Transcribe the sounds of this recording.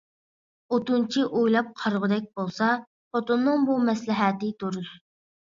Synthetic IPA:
ot̪unt͡ʃʰiʔojlˠɑp̚qʰɑɾʁʊd̪ɛk̚ʲbolˠsɑ | fot̪onːɨŋbumɛslɪɦɛt̪ɪt̪oɾud̪

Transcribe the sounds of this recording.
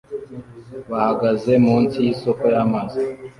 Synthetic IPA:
βahaɡaze̞muːnsijisokojamazi

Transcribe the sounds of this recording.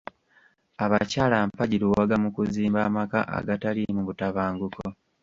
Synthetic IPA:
aβacaːlampaɟiɾuwaɡamukuziːmbaːmaka̰ʔa̰ɡatalimuβutaβaːŋɡuko

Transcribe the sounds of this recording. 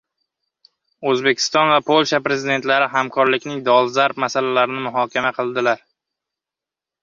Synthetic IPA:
ɵzbe̞kʲʰɪ̥st̪ɒnvapʰolˠʃapɾe̞zɪd̪e̞nt̪laɾɪɦamkʰɒɾlɪkʲnɪŋd̪ɒlˠzaɾpmasalalaɾɪnɪmʊɦɒkʲʰamaqʰɨlˠd̪ɪlaɾ

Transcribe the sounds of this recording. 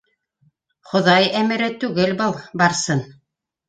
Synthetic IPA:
χŏðɑjæmɘ̆ɾɘt̪ʉɡɘlbɤlˠbɑɾsɤn

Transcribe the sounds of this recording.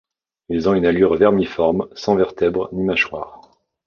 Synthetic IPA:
ilzɔ̃ynalyʁvɛʁmifɔʁmsɑ̃vɛʁt̪ɛbʁnimaʃwa̰ːʁ

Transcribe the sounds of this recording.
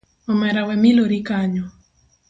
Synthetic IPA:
ɔmɛɾawɛmiloɾikaɲɔ

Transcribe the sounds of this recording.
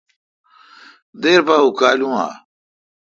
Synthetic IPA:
d̪eːɾpaɦukaːlũa̰

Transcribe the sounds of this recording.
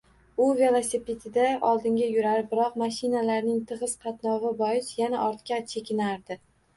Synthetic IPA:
ʊve̞lˠosipʰʲet̪ʰɪd̪aʔɒlˠd̪ɪŋɡʲajʊɾaɾbɪɾɒqmaʃɪnalaɾnɪŋt̪ʰɨʁɨz̥qʰɑt̪nɒʁɨbɒɪsjanaʔɒɾt̪kʲat͡ʃʰe̞kʲɪnaɾd̪ɪ

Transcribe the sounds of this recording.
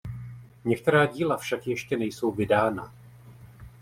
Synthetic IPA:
ɲɛk̚t̪ɛɾaːɟiːlafʃakjɛʃcɛnɛjso̞wvɪdaːna

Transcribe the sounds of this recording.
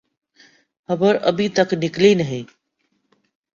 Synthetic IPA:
hɐbəɾʔəbʱit̪əknɪklinəɦeː

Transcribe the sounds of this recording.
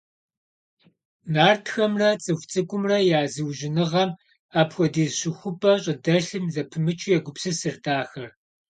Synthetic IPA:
naːrtʰxɐmrɐt͡sʼɨxʷt͡sʼɨkʷʼʊmrɐjaːzɨwʒɪnɨʁɐm | aːpxʷɔdiːzɕɪxʷʊpʰʼɐɕʼɐdɐɬɨmzɐpʰɨmɨt͡ʃʰʼɪjɛɡʷʊpsɨsɨrtʰaːxɐr

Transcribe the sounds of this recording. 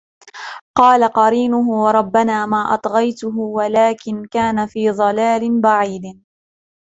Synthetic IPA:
qɑːlaqɑɾiːnʊɦʊwɑɾˤɑbːanaːmaːʔɑ̰t̪ˤɣɑjt̪ʊɦʊwalaːkɪnkaːnafiːðˤɑlaːlɪnbaʕiːd̪

